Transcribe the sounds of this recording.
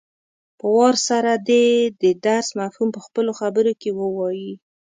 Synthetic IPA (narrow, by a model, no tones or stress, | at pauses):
pəwɑɾsaɾad̪ed̪əd̪aɾsmafhumpəxpəloxabəɾokewəwɑji